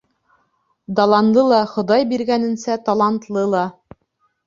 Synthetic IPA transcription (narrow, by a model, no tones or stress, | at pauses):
d̪ɑlˠɑnd̪ˠɤlˠɑχŏd̪ɑjbiɾɡænɘ̆nsæt̪ɑlˠɑnt̪lˠɤlˠɑ